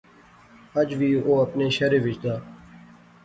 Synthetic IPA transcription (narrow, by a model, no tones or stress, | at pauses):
əd͡ʒʋiːoːəpneːʃəɾeːʋɪt͡ʃd̪aː